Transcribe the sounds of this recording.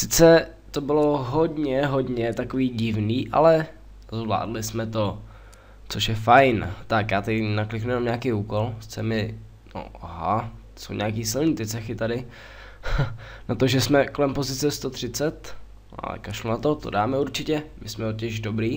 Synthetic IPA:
sɪt͡sɛ | t̪o̞bɪlo̞ɦodɲɛɦodɲɛt̪akoviːɟɪvniːʔa̰lɛ | zvla̰ːdlɪsmɛt̪o | t͡soʃjɛfajnt̪akjaːt̪adɪnaklɪknuɛjɛnamɲaːkejuːko̞lsɪ̥t͡sɛmɪ | no̰ɦa | so̰wɲaːkiːsɪlniːt̪ɪt͡sɛxɪt̪adɪ | nat̪oʒɛsmɛko̞lɛmpo̞zɪt͡sɛst̪ot̪r̝̥ɪt͡sɛt̪ | a̰ɛ̰kaʃlonat̪ot̪o̰daːmɛuɾt͡ʃɪcɛmɪsmɛocɛʒdobɾiː

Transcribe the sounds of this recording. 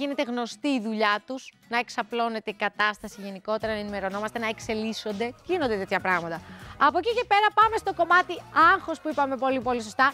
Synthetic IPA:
ine̞t̪e̞ɣno̞st̪iːðuʎɐt̪uz̥ | nɐe̞ksɐplo̞ne̞t̪e̞ikɐt̪ɐst̪ɐsiʝe̞niko̞t̪e̞ɾɐnɐenime̞ɾo̞no̞mɐst̪e̞nɐekse̞liso̞nd̪e̞ʝino̞nd̪e̞t̪e̞t̪çɐpɾɐɣmɐt̪ɐɐpo̞cice̞pe̞ɾɐpɐme̞st̪o̞ko̞mɐt̪iɐŋxo̞spuipɐme̞po̞lipo̞liso̞st̪ɐ

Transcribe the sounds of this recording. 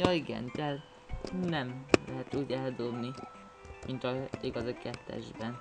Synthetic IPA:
jɒːiɡɛ̰nt̪ɛl | nɛmlɛɦɛt̪uːɟɛld̪o̞bni | mʔint̪ɒiɡɒzikɛt̪ːɛ̰ʒbɛn

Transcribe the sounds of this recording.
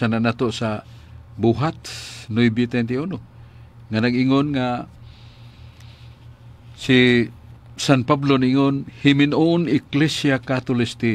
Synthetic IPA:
ananat̪osabuɦat̪nojbit̪ɛnt̪iuno | ŋanaɡɪŋonŋa | si | sanpablonaʔɪŋonhɪmɪnonɪklɛsjakat̪ʊlɪst̪ɪ

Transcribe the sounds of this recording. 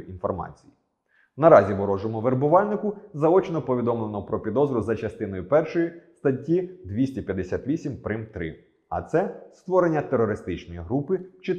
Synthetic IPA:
infɔrmɑ̰t͡sʲiji | nɐɾɑzʲiʋɔɾɔʒɔmʊʋeɾbʊʋɑlʲnɪkʊzɐɔt͡ʃnɔpɔʋʲid̪ɔmlˠenɔpɾɔpʲid̪ɔzɾʊzɐt͡ʃɐst̪ɪnɔjʊpɛrʃɔjist̪ɐtʲːid̪ʋʲisʲtʲipʲjɐd̪esʲat̪ʲʋʲisʲimpɾɪmt̪ɾɪ̰ | ɐ̰t̪sɛst̪ʋɔɾenʲːɐt̪eɾɔɾɪst̪ɪt͡ʃnɔjiɦɾupɪt͡ʃɪ

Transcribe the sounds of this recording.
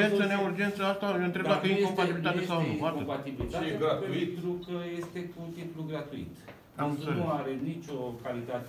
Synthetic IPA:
esəneurd͡ʒent̪səast̪ajoɨnt̪ɾebd̪akəiŋkompat̪ibiliit̪at̪esawnuaɾopat̪ibilit̪aɡauit̪ɾukəje̞st̪e̞kut̪ipluɡɾat̪uḭt̪ | anseuaɾenit͡ʃʲokalit̪at̪e

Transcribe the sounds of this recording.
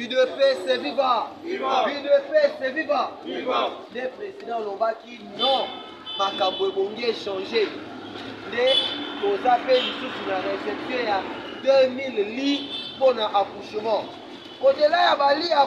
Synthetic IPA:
vidpesevivavidepeseviva | depʁezidãlɔ̃vakinɔ̃ | bakaboeboŋɡieʃãʒe | ndelõzapelisutunanɛfɛteja | dɛmilliponãʔakuʃəmã | odelajabalia

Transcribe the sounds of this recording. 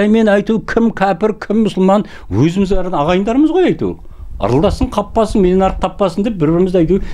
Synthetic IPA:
æjme̞nɑjt̪ukʲʰɪmkʲʰæpɪɾkʲʰɪmːʊsʊlˠmɑn | wɵzɪmɪzbæɾɪɑʁɑjənd̪ɑɾəməzʁojɑjt̪ṵ | ɑ̰ɾəlˠd̪ɑsəɴqʰɑpːɑsənmeenɑɾəq̚t̪ʰɑpːɑsənd̪ep̚bɪɾbɪɾɪmɪzɑjt̪u

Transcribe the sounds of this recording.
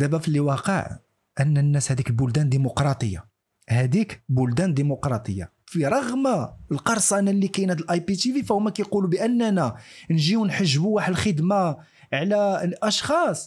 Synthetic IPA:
æbæflːiwɑqə̰ʕ | ʔənːənːæshæd̪iklbʊld̪ænd̪imʊqɾˤɑt̪ˤəjːa̰ | hæd̪ikbʊld̪ænd̪imʊqɾˤɑt̪ˤəjːa̰ | fiɾˤɑɣmalqɑɾˤsˤɑnælːikæjnhæd̪əlʔɑjpit̪ivifæhumækæjqulubəʔənːænænʒiwnħəʒːbuwaħəd̪əlxəd̪ma | ʕlæʔɑʃxɑsˤ

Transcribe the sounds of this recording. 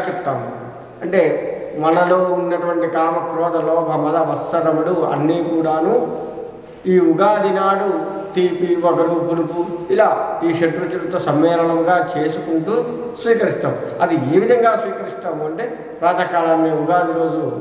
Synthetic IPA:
t͡ʃɛpt̪aːmu | ɐɳʈe̞ːmɐnɐlo̞ːunːɐʈuʋɐɳʈikaːmɐkɾɔːt̪ɐlo̞ːbʱɐmɐd̪aʋɐsːɐɾɐmuɽuɐ̰nːiːkuːɽaːnuː | iːuɡaːd̪ʱinaːɽut̪iːpiʋɐkɐɾupuɽupuilaːiːʂeʈɾut͡ʃulɐt̪o̞ːsɐmːɛːlɐnɐmɡaːt͡ʃe̞ːsukuɳʈuːsʋiːkɐɾist̪aːmu | ɐd̪ieːʋid̪ʱɐŋɡaːsʋiːkɐɾist̪aːmuɐɳʈeː | pɾaːd̪ʱɐkaːlanːiuɡaːd̪ʱiɾo̞ːd͡ʒu

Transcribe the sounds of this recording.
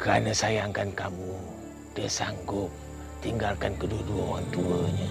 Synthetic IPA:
kəɾa̰nəsajaŋkankamu | dəsa̰ŋɡʊp̚ | t̪iŋɡalkankəduəduaoɾaŋt̪uəɲə

